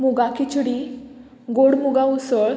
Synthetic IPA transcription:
muɡakit͡ɕuɽi | ɡoɽmuɡausəɭ

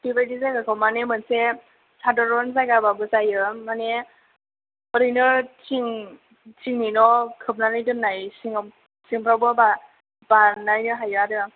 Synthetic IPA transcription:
tibajdisakakʰawmanemɯnse | sʰadɔɾɔns̬ajɡababɯsajɯmːane | ɔɾinɯɾtʰiŋ | tʰiŋninɔkʰɯp̚nanlɯjdɯnːajsiŋ | siŋpʰɾawbɯba | banajnɯɦajɯadɯ

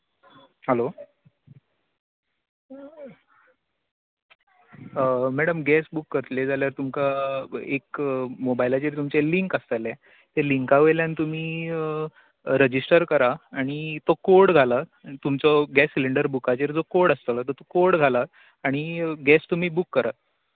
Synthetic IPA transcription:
ɦəlo | mæɽəmɡɛsbukːəɾt̪led͡zaljaɾt̪umkaekmobailat͡ɕeɾt̪umt͡seliŋkəst̪əle | t̪eliŋkaʋejljãnt̪um̤iː | ɾəd͡ʑisʈəɾkəɾaaɽ̃it̪okoɽɡʱalat̪umt͡sɔɡɛsːiliɳɖəɾbukat͡ɕeɾd͡zokoɽəst̪əlat̪ət̪okoɾɽɡʱala | aɽ̃iɡɛst̪um̤iːbukːəɾa

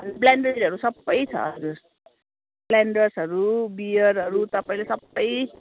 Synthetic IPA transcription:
ʌnblaɳɖiɦʌɾusʌbːʌjt͡sʰʌ̰ʌɾus | blaɳɖʌrsɦʌɾubijʌɾɦʌɾut̪ʌpaĩlesʌbːʌj

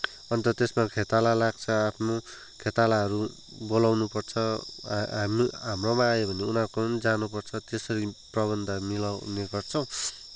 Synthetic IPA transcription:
ʌnt̪ʌt̪esmakʰet̪alalaɡ̚t͡sʰʌapʰno | kʰet̪alaɦʌɾu | bolawnupʌrt͡sʰʌɦmiɦamromãːjobʱʌneunãkoʌnd͡zanupʌrt͡sʰʌt̪esʌɾiprʌbʌnd̪ʱamilawneɡʌrt͡sʰʌw̃

